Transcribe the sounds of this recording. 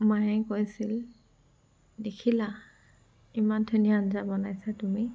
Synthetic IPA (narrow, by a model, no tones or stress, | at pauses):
majɛkojsil | dekʰila | imantʰonijaːnzabɔnajsatumi